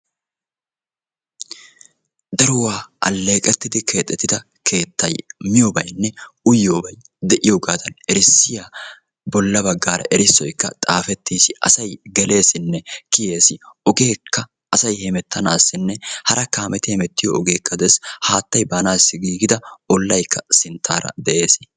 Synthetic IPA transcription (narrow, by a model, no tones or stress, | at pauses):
d̪ɐɾʊwaːʔɐ̰lːe̞ːkʼɛt̪ːɪd̪ɪkʰe̞ːt̪ʼːɛt̪ːɪd̪ɐ | kʰe̞ːt̪ːɐjmɪjoːbɐjnːɛʊjːoːbɐj | d̪ɛʔɪjoːɡaːd̪ɐnɛɾɪsːɪja | bɔlːɐbɐɡːaːɾɐ̰ʔɛɾɪsːɔjkːɐ̰t̪ʼaːfɛt̪ːiːsɪʔɐ̰sɐjɡɛle̞ːsɪnːɛkɪje̞ːsɪɔɡe̞ːkːɐ | ʔːsɐjhɛmɛt̪ʰːɐnaːsːɪnːɛhɐɾɐkaːmɛt̪ɪhɛmɛt̪ːɪjɔɔɡe̞ːkːɐd̪ɛshaːt̪ːɐjbaːnaːsːɪɡiːɡɪd̪ɐɔlːɐjkːɐsɪnt̪ʰːaːɾɐ̰d̪ɛʔe̞ːs